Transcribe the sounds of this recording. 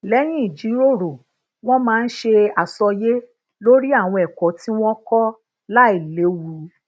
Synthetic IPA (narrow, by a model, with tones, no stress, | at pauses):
lɛ˨˦j̃ĩ˦i˦˨d͡ʒi˨˦ɾo˦˨ɾo˨ | w̃ɔ̃˦mãː˦˧n̩˦ʃe˧a˨sɔ˧je˦ | lo˦ɾi˦a˦˨w̃ɔ̃˧ɛ˨kɔ˨˦ti˦w̃ɔ̃˦kɔ˦ | la˦i˦˨le˨˦wu˧˦